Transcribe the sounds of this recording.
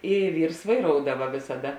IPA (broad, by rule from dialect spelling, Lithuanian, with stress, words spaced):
ɪ ˈʋʲiːrs ʋɐɪˈroːʊdɐʋɐ ʋʲeːsɐˈdɐ